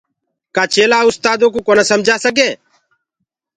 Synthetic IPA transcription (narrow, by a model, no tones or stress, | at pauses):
kaːt͡ʃeːlaːʊst̪aːd̪õːk̬uːkoːnəsəmd͡ʒʱaːsəɡeː